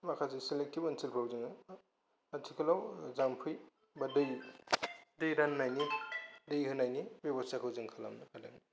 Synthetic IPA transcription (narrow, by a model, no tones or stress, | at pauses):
makʰazisilek̚tipɐnsilpʰawzɯŋɯ | atʰikʰɯlawzampʰɯj | badɯj | dɯjɾanːajnidɯjhʰɯnajnibebɔstakʰawzɯŋkʰala̰mnɯkʰadani